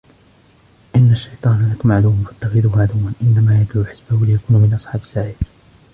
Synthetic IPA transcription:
ʔɪnːaʃːɑjt̪ˤɑːnalakʊmaʕd̪uːmʊnfḁt̪ːaxɪd̪uːhʊmaʕd̪uːmanʔɪnːamaːjad͡ʒ̪luːħɪsbahʊlɪjakuːnʊmɪnʔɑsˤħɑːbɪsːaʕiːɾ

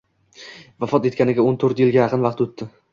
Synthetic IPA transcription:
vafɒt̪e̞t̪̚kʲanɪɡʲaont̪ʰoɾt̪jɪlɡʲajɑqʰɨnvɑqt̪ʊt̪ʰːɪ

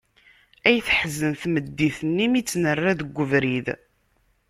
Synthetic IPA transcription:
æjθħəzːənθməd̪ːiθənːimit͡sːnərˤːæðəɡʷːəvɾið

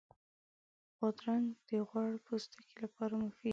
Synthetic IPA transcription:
ɣʊd̪ɾand̪̥əɣwaɽpust̪ḁkelapɑɾamʊfi

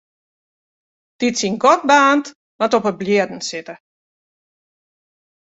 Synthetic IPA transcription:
d̥itsinɡɔt̚baːnt | matɔpəbljiədn̩sɪtə

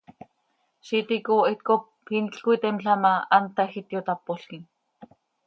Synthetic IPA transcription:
ʃit̪ikoet̪kop | hinɬkuit̪ɛmɬamaant̪axit̪jot̪apːoɬkin

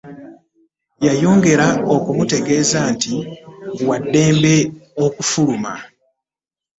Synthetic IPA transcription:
jajo̞ːŋɡe̞ɾaokumute̞ɡe̞ːzaːnti | wadːe̞ːmbe̞okufuluma̰

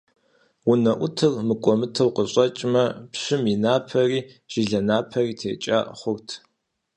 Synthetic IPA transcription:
ʊnɐʔʷʊtʰɨrmɨkʷʼɔmɨtʰɐwqəɕʼɐt͡ʃʼmɐpɕɪminaːpʰɐriː | ʒ̥iɮɐnaːpʰɐriːtʰḛːt͡ʃʼa̰χʷʊrtʰ

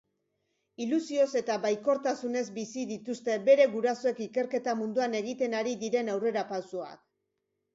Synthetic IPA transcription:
ilusio̞se̞t̪aβajko̞ɾt̪asune̞zbisiðit̪ust̪e̞be̞ɾe̞ɣuɾaso̞e̞kike̞ɾke̞t̪amund̪uane̞ɣ̞it̪e̞naɾiðiɾe̞nawre̞ɾapawsoa̰k

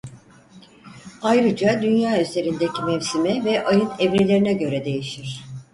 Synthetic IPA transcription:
ajɾɯd͡ʒad̪ynjaːyzʰe̞ɾind̪ecʰimɛvsimɛvɛʔajɯnɛvɾelʲe̞ɾinɛɟø̞ɾɛd̪e̞jiʃiɾ̥

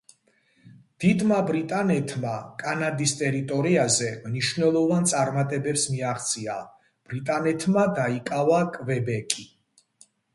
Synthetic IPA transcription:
d̪̥id̪mabɾit̪ʼanɛt̪ʰmakʼanad̪ist̪ʼɛɾit̪ʼɔɾiazɛmniʃvnɛlˠɔvant̪sʼaɾmat̪ʼɛbɛpsmiaʁt̪sʼia | b̥ɾit̪ʼanɛt̪ʰmad̪aikʼavakʼvɛbɛkʼi

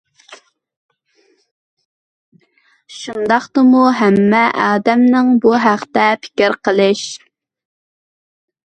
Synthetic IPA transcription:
ʃund̪ɑχt̪əmuɦɛmːɛʔɑːd̪ɛmnɪŋbuɦæqt̪ɛpʰɪ̥kʲɪɾqʰəlˠɨʃ

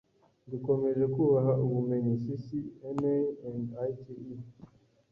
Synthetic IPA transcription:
ndukomeʒekuβaɦaʔuβumeɲisisiɛneɛ̃ndajtʰii

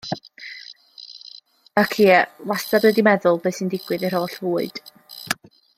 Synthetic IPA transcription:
əkʰiːwastabədimɛðʊlˠbeɨsindɪɡ̥wɨðɛr̥oːɬvuːɨd̥

